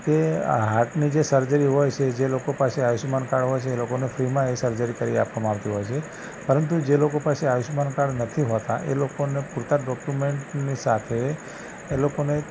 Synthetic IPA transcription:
keɦaʈnid͡ʒesəɾd͡ʒəɾiɦojt͡ʃʰed͡ʒelokopaseajuʃmankaɽɦojt͡ʃʰeːlokonefɾimãesəɾd͡ʒəɾikəɾia̰pʋamãaʋt̪iɦojt͡ʃʰe | pəɾənt̪̬ud͡ʒelokopaseajuʃmankaɽnət̪ʰiɦot̪aʔelokonepuɾt̪aɖɔkjumeɳʈnisat̪ʰeː | lokone

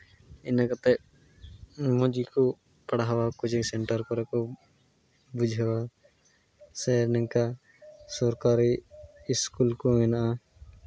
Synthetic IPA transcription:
inakat̪ɛ | mɔ̃d͡ʒikɔ | paɽaɦawakud͡ʒiksɛɳʈəɾkɔɾɛkɔ | bud͡ʒʱɦɛwa | sɛnɛŋka | sɔɾkaɾiːskulkɔɛnaʔa

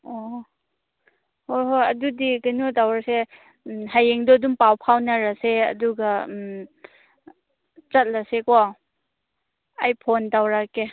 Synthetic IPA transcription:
ɔ | hojɦojɐdudiɡanudawɾase | hajeŋdɔdumpawpʰawnaɾaseɐ̰duɡam | t͡ʃɐt̚lasekɔ | ajpʰondawɾake

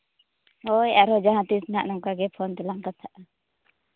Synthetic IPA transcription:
hɔjaɾɔd͡ʒaɦãt̪isnaʔnɔŋkaɡɛpʰɔnt̪ɛlaŋkat̪ʰaʔa

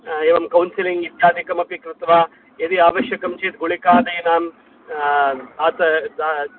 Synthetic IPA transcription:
eːʋɐmkɐwnsiliŋɡit̪jaːd̪ʱikɐmɐpikɾɪt̪ʋaː | ed̪iaːʋɐʃjɐkɐmt͡ʃeːt̪̚ɡuɭikaːd̪ɐjnaːm | aːt̪ɐ

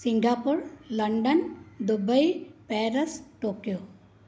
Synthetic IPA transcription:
siŋɡapuɾləɳɖənd̪ubəjpɛɾəsʈoːkijo

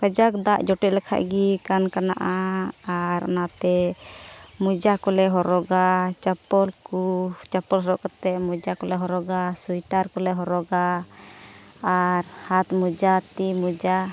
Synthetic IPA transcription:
pəd͡ʒakd̪aʔd͡ʒɔʈɛʔlɛkʰa̰ʔɡikankana̰ʔaaɾ̰nat̪ɛ | mud͡ʒakɔlɛɦɔɾɔɡat͡ʃapɔlkut͡ʃapɔlɦɔɾɔʔkɔt̪ɛmud͡ʒakɔlɛɦɔɾɔɡasujʈaɾkɔlɛɦɔɾɔɡa | ɾhat̪mud͡ʒat̪imud͡ʒa

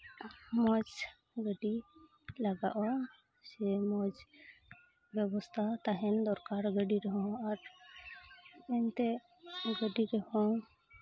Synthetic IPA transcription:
mɔd͡ʒ | ɡəɖi | laɡa̰ʔɔ | d͡ʒɛmɔd͡ʒ | bjɛbɔst̪ʰat̪aɦɛnd̪ɔɾkaɾɡəɖiɾɛɦɔ̃aɾ | ent̪e | ɡəɖiɾɛɦɔ̃

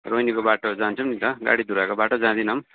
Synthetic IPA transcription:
ɾojnikobaʈod͡zant͡sʰʌmnit̪ʌɡa̰ɽid̪uɾakobaʈod͡zãd̪inʌm

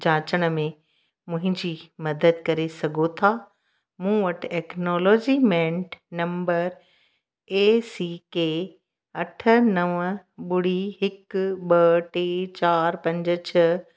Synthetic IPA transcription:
d͡ʑãːt͡ɕəɽ̃ə̆mẽ | mʊ̃ɦɪ̃ɲd͡ʑiːmɐd̪əd̪̚kɐɾesɐɡʱot̪ʰaː | mũːʋɐʈʰʈɛːknoːlɔːd͡ʑimɛ̃ːɳʈnɐ̃mbəɾ | eːsikeː | ɐʈʰə̆nɐʋə̃ɓʊɽ̤iɦɪkɓɐʈeːt͡ɕaːɾpɐ̃ɲd͡ʑət͡ɕʰɐ

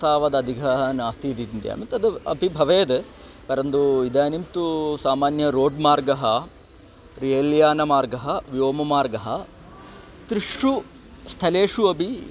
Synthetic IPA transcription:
t̪aːʋɐd̪ɐd̪ʱiɡʱɐɦɐnaːst̪ʰid̪ind̪ja̰ːmɐt̪ɐd̪ɐɐ̰bʱibʱɐʋeːd̪e | pɐɾɐnd̪uid̪aːnimt̪usaːmaːnjɐɾoːɖmaːɾɡɐɦɐ | ɾijɐljaːnɐmaːɾɡɐɦɐʋioːmɐmaːɾɡɐɦɐ | t̪ɾiʂu | st̪ʰɐleːʂuɐbʱi

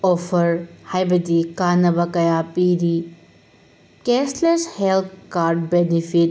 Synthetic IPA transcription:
opʰɐɾhajbɐdikanɐbɐkɐjapiɾi | kesleshelt̪̚ʰkaɾd̚benipʰit̚

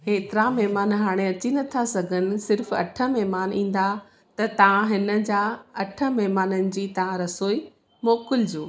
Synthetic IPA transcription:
keːt̪ɪɾamɛɦmaːnɦaːɽ̃eɐt͡ɕinɐt̪ʰasɐɡʱənɪ̆sɪɾfɐ̰ʈʰə̆mɛɦmaːnĩːn̆d̪a | t̪ɐt̪ɐʋãɦɪnə̆d͡ʑaɐʈʰə̆mɛɦmaːnənɪ̆d͡ʑiːt̪ɐʋãɾɐsoːi | moːkɪld͡ʑoː

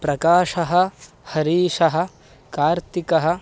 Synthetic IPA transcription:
pɾɐkaːʂɐɦɐ̆ | hɐɾiːʃɐɦɐ̆ | kaːɾt̪ikɐɦɐ̆

